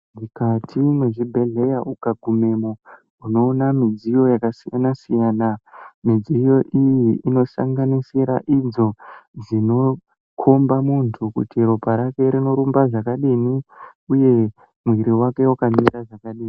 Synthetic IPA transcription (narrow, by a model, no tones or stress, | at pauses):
mikatʰimweʐibʱe̞ɮe̞jaukaɡʱume̞mo | uno̞ːnamid͡zijo̞jakasijanasijaːnamid͡zijo̞ʔijiʔino̞sa̰ŋɡanisiɾa̰ʔid͡zo̞d͡zino̞ | kʰo̞mbamuntʰukṵtiɾopaɾake̞ɾino̞ɾumbaʐakaɗiniuje̞ | mwiɾiwake̞wakaɲiɾaʐakaɗiːni